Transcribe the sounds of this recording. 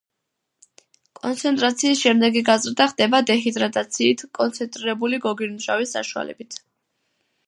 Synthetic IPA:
kʼɔnt̪sʰɛnt̪ʼɾat̪sʰiːsʃɛmd̪ɛɡiɡazɾd̪aχd̪ɛbad̪ɛɦid̪ɾat̪ʼat̪sʰiːt̪ʰkʼɔnt̪sʰɛnt̪ʼɾiɾɛbuliɡɔɡiɾmuʃawisːa̰ʃua̰lɛ̰bit̪ʰ

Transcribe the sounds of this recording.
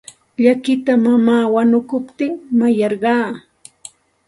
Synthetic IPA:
ʎakɪt̪amamaːwanʊkʊpt̪ɪŋmajɑɾɢɑː

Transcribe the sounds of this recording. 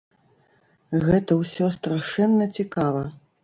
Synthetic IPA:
ɣɛt̪ɐwsʲɔst̪ɾaʂɛnːɐt͡sʲikavɐ

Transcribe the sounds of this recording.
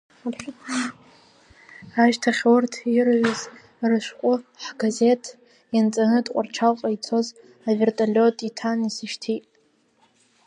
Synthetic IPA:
arχʲ | aʒtʰaχʲwʊrtʰirʕʷʊz | rɨʃʷqʷʼʊħɡaze̞tʰ | jant͡sʼanɨtʼqʷʼarʈ͡ʂʰalqʼajt͡sʰo̞z | avertʼalʲotʼitʰanisɨʃtʰitʼ

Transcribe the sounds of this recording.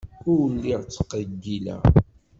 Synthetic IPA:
ʊwlːiʁt͡sːə̥qːəɡːilæ̰

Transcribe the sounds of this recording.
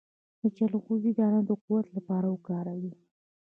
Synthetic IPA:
d̪̥ət͡ʃalɣuzid̪ɑnad̪əquwat̪lapɑɾawəkɑɾawi

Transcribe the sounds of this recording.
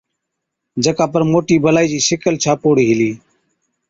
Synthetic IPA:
d͡ʒəkaːpəɾmoːʈiːbəlaːiːd͡ʒiːsɪkəlt͡ʃʰaːpoːɽiːɦɪliː

